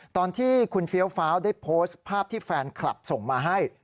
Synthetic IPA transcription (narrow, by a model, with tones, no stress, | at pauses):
t̪ɔː˧nt̪ʰiː˥˩kʰu˧nfi˦˥əwfaː˦˥wdaː˥˩jpʰoː˦˥spʰaː˥˩p̚t̪ʰiː˥˩fɛː˧nkʰla̰˨˩p̚so˨˩ŋmaː˧ɦa˥˩j